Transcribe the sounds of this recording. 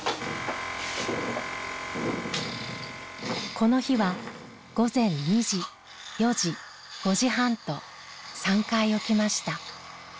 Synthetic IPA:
kʰo̞no̞çiβa | ɡ̥o̞zẽ̞ɲːiʑi | jo̞ʑi | ɡ̥o̞ʑiɦãnt̪o̞ | sãŋkaio̞kʲimaɕi̥t̪a

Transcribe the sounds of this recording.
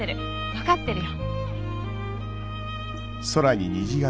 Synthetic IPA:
eɾɯ̟ | βakat̪ːe̞ɾɯ̟jo | soɾaɲiɲiʑiɡa

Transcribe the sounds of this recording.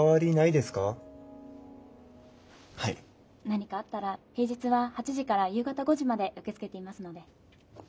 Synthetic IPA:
aβaɾʲinaid̪e̞sɨ̥ka | haḭ | naɲ̟ikaːt̪ːaɾahe̞ːd͡ʑit͡sɨβahat͡ɕiʑikaɾajɯ̟ːɡat̪aɡo̞ʑimad̪e̞ʔɯ̟ke̞t͡sɨ̥ke̞t̪e̞imasɨno̞d̪e̞

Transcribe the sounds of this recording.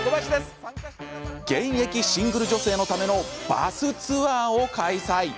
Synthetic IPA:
ɡẽ̞ɰ̃je̞kʲiɕĩŋɡɯ̟ɾɯ̟ʑo̞se̞ːno̞t̪ame̞no̞b̥a̰sɨt͡sɨβaːo̞kaisai

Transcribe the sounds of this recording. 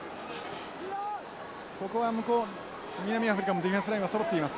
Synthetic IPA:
ko̞ko̞βamɯ̟koː | mʲinamʲiaɸɯɾʲikamod̪eɸẽsɨɾaĩasoɾot̪ːeimasɨ̥

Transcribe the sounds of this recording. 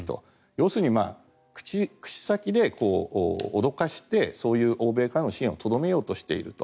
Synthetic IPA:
t̪o̞̰ | jo̞ːsɨːɲ̟ima̰ː | kɯ̥t͡ɕikɯ̟̥ɕi̥sakʲid̪e̞ko̞ːod̪o̞kaɕi̥t̪e̞so̞ːjɯ̟ːʔo̞ːbe̞ːkaɾano̞ɕĩo̞t̪o̞d̪o̞me̞jo̞ːt̪o̞ɕi̥t̪e̞ḭɾɯ̟t̪o̞

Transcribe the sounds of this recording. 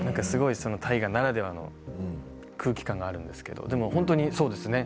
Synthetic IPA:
nãŋkasɨɡo̞iso̞no̞t̪ʰaiɡanaɾad̪e̞βano̞̰ | kʰɯ̟ːkʲi̥kãŋɡaːɾɯ̟̃nd̪e̞sɨ̥ke̞d̪o̞̰d̪e̞mo̞hõ̞nt̪̬oɲ̟iso̞ːd̪e̞sɨne̞

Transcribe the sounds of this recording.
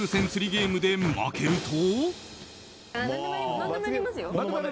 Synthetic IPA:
ɯsʰensʰɯɾiɡeimud̪enːa̰kʰeɾɯtʰo

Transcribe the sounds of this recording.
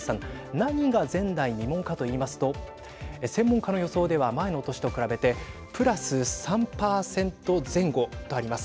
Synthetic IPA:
sãnnãɲ̟ːiɡazẽ̞nd̪aiɲimõ̞ŋkat̪o̞iːmasɨ̥t̪o̞ | sẽ̞mːõ̞ŋkano̞jo̞so̞ːd̪e̞βamae̞no̞ːt̪oɕi̥t̪o̞kɯ̟ɾabe̞t̪e̞ | pɯ̟ɾasɨsãmpaːsẽ̞nt̪o̞zẽ̞ŋɡo̞t̪o̞aɾʲimasɨ̥

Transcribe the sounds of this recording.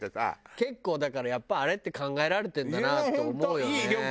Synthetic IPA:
t̪ːesa̰ke̞kːo̞ːd̪akaɾajapːaaɾe̞t̪ːe̞kãŋɡae̞ɾaɾe̞t̪ẽnd̪anat̪oːmo̞ɯjo̞n

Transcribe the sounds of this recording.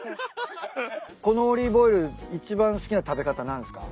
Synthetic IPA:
ko̞no̞ːɾʲiːbo̞iɾɯ̟it͡ɕibãɰ̃sɨ̥kʲinat̪abe̞kat̪anãnd̪esɨ̥ka̰

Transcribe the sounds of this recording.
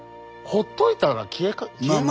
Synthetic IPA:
hot̪ːoit̪aɾakʲʰiekakʲie

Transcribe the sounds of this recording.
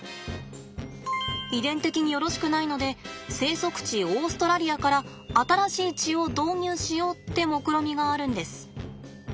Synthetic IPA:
id̪ẽ̞nt̪e̞kʲiɲ̟ijo̞ɾo̞ɕi̥kɯ̟naino̞d̪e̞se̞ːso̞kɯ̟̥t͡ɕio̞ːsɨ̥t̪o̞ɾaɾʲiakaɾaː | t̪aɾaɕiːt͡ɕio̞d̪o̞ːɲʲɨːɕijo̞ːt̪ːe̞mo̞kɯ̟ɾo̞mʲiɡaːɾɯ̟̃nd̪e̞sɨ̥

